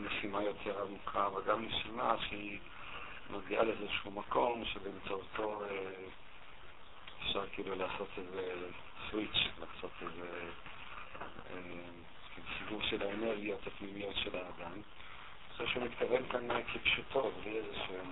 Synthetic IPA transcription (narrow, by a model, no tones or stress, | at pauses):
nesimajo̞tʰe̞ʁamukaveɡamnesimaʃei | mʔaɡialeezeʃumako̞mʃebemt͡sout̪o̞e | efʃaʁkeilulaːso̞t̪eze | swit͡ʃla̰ːso̞t̪eze | e | kilusiɡuʁʃelaene̞ʁɡijot̪apnimijot̪ʃelaːd̪am | oʃeʃemit̪kave̞nkanekʰepʃut̪ʰo̞bliezeʃu